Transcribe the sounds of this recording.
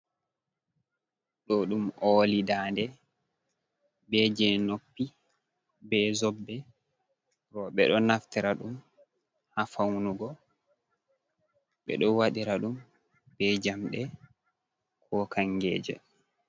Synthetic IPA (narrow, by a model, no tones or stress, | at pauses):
ɗɔɗumoːlidandɛ | bɛd͡ʒɛnopːi | bɛzobːɛ | ɾɔɓɛɗɔnaftiɾaɗum | hafawnuɡɔ | ɓɛ̰ɗɔwaɗiɾaɗum | b̥ɛd͡ʒamɗɛ | kʰɔkaŋɡɛ̰ːd͡ʒɛ̰